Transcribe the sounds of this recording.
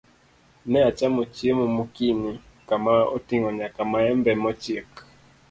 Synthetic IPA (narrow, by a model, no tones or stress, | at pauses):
nɛat͡ʃamot͡ʃiemumukini | kamao̰tiŋɔɲakamaɛmbɛmɔt͡ʃiek